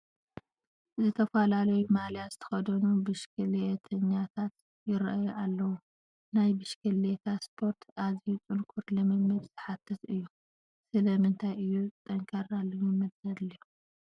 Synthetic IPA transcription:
zɨt̪ʰɐfalalɐjumaljazɨt̪ʰɐ̥xɐd̪ɐnubɨʃkʰɨlet̪ʰɐɲːat̪ʰat̪ | jɪɾʔajʔalːɐwu | najbɨʃkʰɨlet̪ʰaspʰo̞ɾt̪ʰazijut͡sʼɨnkʰuɾlɐmɨmːɨbzɨħat̪ʰːɐt̪ɨjːu | sɨlɐmɨnt̪ʰajʔɨjːut̪ʼɐŋkʰɐɾalːomɨmːɨdzɐd̪liju

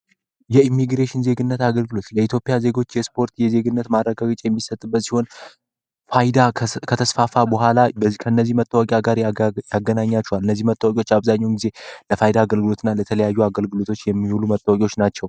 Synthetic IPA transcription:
jɛimːiɡɾeʃɪnze̞ɡɨnːət̪aɡəlɡɨlo̞t̪jɛit̪ʰjo̞pʼijaze̞ɡo̞t͡ʃːjɛspʰo̞ɾt̪jɛze̞ɡɨnːət̪maəɡaɡɨt͡ʃʼjɛmːisət̪ʼːɨbːət̪siho̞n | fajd̪akʰət̪ʰəsfafabəɦʷalabəkʰəɨnːəzːihmət̪ʼːəwakʼjaɡaɾjaɡːənaɲːat͡ʃːɛwalɨnːəzːihmət̪ʼːəwakʼo̞t͡ʃːaβzaɲːɛwnɡize̞ləfajd̪aːɡəlɡɨlo̞t̪ʰɨnːalət̪ʰələjajːuaɡəlɡɨlo̞t̪ʰo̞t͡ʃːjɛmːihulumət̪ʼːəwakʼwo̞t͡ʃːnat͡ʃːɛw

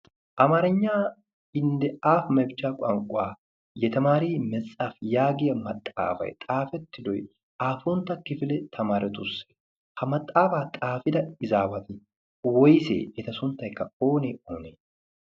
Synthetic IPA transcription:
ʔɐmɐɾɛɲːaː | ɪnd̪ɛaːfmɛbɪt͡ʃːaːkʼɐŋkʼʊwaː | jɛt̪ɐmaːɾiːmɛt͡sʼːafjaːɡɪjɐmɐt̪ʼːa̰ːfɐ̰jt̪ʼaːfɛt̪ːɪd̪ɔj | ʔaːfʊnt̪ːɐkːɪfɪlɛt̪ʰɐmaːɾʔɛt̪ʊsːe̥ | hɐmɐt̪ʼːaːfaːt̪ʼaːfɪd̪ɐɪzaːbɐt̪ɪ | wɔjsḛːʔɛt̪ɐsʊnt̪ːɐjkːɐo̞ːneːoːneː

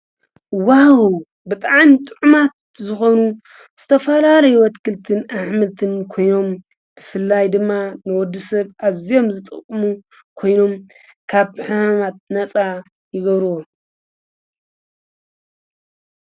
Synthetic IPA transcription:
wahɣu | bɨt̪ʼaʕnit̪ʼɨʕumat̪̚zɨxo̞nu | z̥ɨt̪ʰɐfɐlalɐjuwɔt̪kʰɨlt̪ʰɨnaħmɨlt̪ʰɨnkʰo̞jno̞m | b̥ɨfɨlːajd̪ɨmːanɨwɔd̪ːɨsɐβʔazijo̞mzɨt̪ʼɨ̰kʼːɨmu | kʰo̞jno̞m | kʰaβħamamat̪̚nɐt͡sʼa | jɪɡɐβɾɨwo

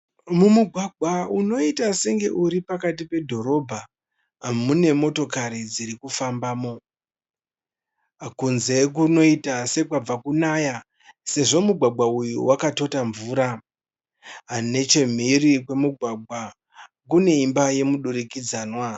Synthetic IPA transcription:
mumuɡʱwaɡʱwauno̞itaseŋɡe̞ʔuɾipakatipe̞dʱo̞ɾo̞bʱa | ɦamune̞mo̞to̞kaɾid͡ziɾikufambaːmo̞ | akunze̞k̬uno̞itase̞kwab͡vakunaja | se̞ʐo̞muɡʱwaɡ͡bwaujṵwakato̞taɱvuɾa | ɦane̞t͡ʃe̞m̤iɾik̬we̞muɡʱwaɡ͡bʱwa | k̬une̞imbaje̞muɗuɾikid͡zaːnwa

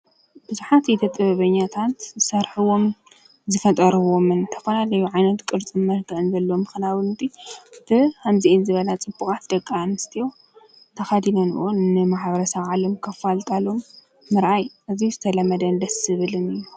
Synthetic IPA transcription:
bɨzuħat̪jɛt̪ʰɐt̪ʼɨβɐβɐɲːat̪ʰat̪zɨsɐɾħuwo̞m | zɨfɐt̪ʼɐɾɨβo̞mɨnt̪ʰɐ̥fɐlalɐjuʕajnɐt̪kʼɨɾt͡sʼɨmmɐɾɡʰɨʔɨnzɐlːomxɨnawɨnt̪ʰib̥ɨamziʔinzɨβɐlat͡sʼɨbːukʼat̪d̪ɐkʼːanɨst̪ʰijo̞ | t̪ʰɐxad̪inonɨ̰ʔonːɨmaħbɐɾɐsɐβʕalɐmkʰɐfalt̪ʼalo̞mː | ɨɾʔajʔɨzizɨt̪ʰɐlɐmːɐd̪ɐnd̪ɐsɨβɨlɨnɨjːu

